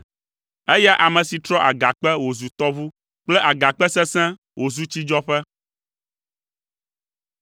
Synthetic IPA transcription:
ɛ˦ja˦ʔa˨mɛ̃˨si˨t̪ɾɔ˦ʔa˨ɡa˨k͡pɛ˦wo˨zu˨t̪ɔ˦vu˦ | k͡plɛ˦ʔa˨ɡa˨k͡pɛ˦sɛ˦sɛ̃˦ | wʔo˨zu˦t͡ɕi˦d͡ʒɔ˦ɸɛ˦

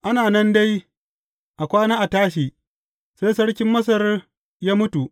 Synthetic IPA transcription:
ʔa˦naː˨nɐ˦nda˦j | ʔa˨kʷaː˦naː˦ʔa˨taː˦ʃ̬iː˨ | sa˦sɐ˦ɽkʲɪ˦mːɐ˦s̬ɐ˦r | jaː˦mʊ˦tu˨ʔ

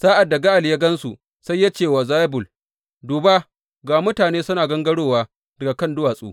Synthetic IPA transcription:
saː˦ʔa˨dːa˨ɡa˦ʔa˨lja˦ɡɐ˦nsu˨ | sa˦jːa˦t͡ʃeː˦˨wa˨zaː˦jbʊ˨l | duː˨baː˦ | ɡaː˨mʊ˦taː˨neː˦sʊ˦naː˨ɡɐ˦ŋɡɐ˦ɽoː˦˨waː˦ | dɐ˨ɡa˨kɐ˦˨ndʊ˦waː˨sʼṵː˦

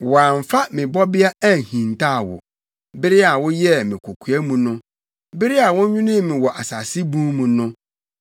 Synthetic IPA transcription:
wɔ˨a˨m˨fa˦mɪ̃˨bɔ˦bɪ˦a˦æ˦˨hĩ˨n˨tʰa˦a˨wʊ̰˨ | bɪ˦ɾɪ˦a˨wʊ˦jɛ˦mɪ̃˨kʰo˨kʰu˨ɛ˦mũ˨nʊ̃˦ | bɪ˦ɾɪ˦a˨wʊ̃˦ɲᶣʊ̃˦nĩ˦˨mĩ˨wɔ˨ʔa˨sa˨sɪ˦bũ˦mũ˨nʊ̃˦

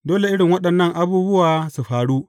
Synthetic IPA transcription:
doː˦le˨ʔɪ˦ɽɪ˨ŋwɐ˦ɗɐ˨nːɐ˦ŋʔa˦buː˦bʊ˦waː˨su˨ɸaː˨ɽuː˦ʔ

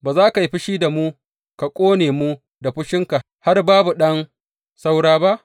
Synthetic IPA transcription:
baː˨zaː˦ka˨ji˦ɸɪ˦ʃiː˦da˨muː˦ | ka˨kʷʼoː˦neː˨mu˦ | da˨ɸɪ˦ʃɪ˦ŋka˨ʔ | ha˦rbaː˦bu˨ɗɐ˦n | sa˦wɽaː˦ba˦ʔ

